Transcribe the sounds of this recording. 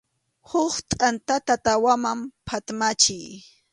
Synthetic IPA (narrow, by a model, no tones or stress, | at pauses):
hʊχt̪ʼant̪at̪at̪awamampʰat̪mat͡ʃɪj